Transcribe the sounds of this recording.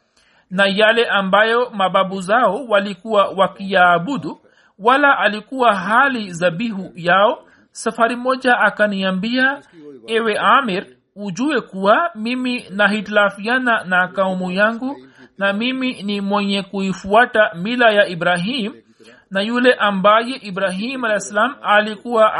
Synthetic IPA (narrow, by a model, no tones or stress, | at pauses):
najalɛʔambajɔmaɓaɓuzaɔwalikuwawakijaːɓuɗu | walaʔalikuwaɦalizaɓiɦujaɔ | safaɾimɔʄaʔːkaniambiaɛwɛʔamiɾ | ud͡ʒuɛkuwamiminaɦitlafiananakaumujaŋɡu | namiminimwɛɲɛkuifuatamilajaibɾaɦim | najulɛʔambajɛʔibɾaɦimalɛɛsalamalikuwa